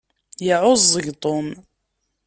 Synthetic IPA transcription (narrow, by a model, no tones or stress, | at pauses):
jɪʕʊzˤːəʝt̪ˤom